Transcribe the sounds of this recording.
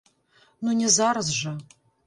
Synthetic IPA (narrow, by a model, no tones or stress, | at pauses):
nunʲɛzarzʒa